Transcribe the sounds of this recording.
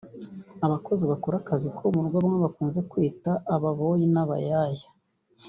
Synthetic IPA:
aβako̞ziβakoɾakazikʰomuːɡaβaŋweβakuːnze̞kwiːtaʔːβaβojinaβa̰jajḁ

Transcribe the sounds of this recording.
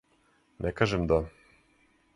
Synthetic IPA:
nʔekaʒemd̪a

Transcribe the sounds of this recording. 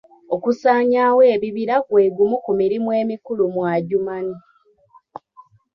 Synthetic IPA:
okusaːɲawe̞ːβiβiɾakwe̞ːɡumukumiɾimwe̞ːmikulumwaːɟumani

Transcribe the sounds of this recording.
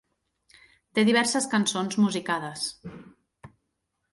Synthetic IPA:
t̪eðiβ̞ɛɾsəskənsonzmuzikað̞əs

